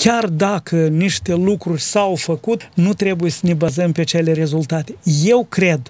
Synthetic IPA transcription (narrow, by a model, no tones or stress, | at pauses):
kʲard̪akʰəniʃt̪e̞lukɾurʲsawfəkut̪nut̪ɾe̞bujesəne̞bazəmpeat͡ʃe̞le̞ɾe̞zult̪at̪e̞̥je̞wkɾe̞d̪